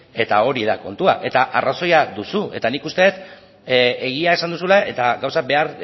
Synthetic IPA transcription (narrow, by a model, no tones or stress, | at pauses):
e̞t̪ao̞ɾiðako̞nt̪uaʔe̞t̪aʔaraso̞jaðusue̞t̪anikust̪e̞t̪ | e̞ɣ̞iae̞sand̪usulae̞t̪aɣawsabe̞aɾ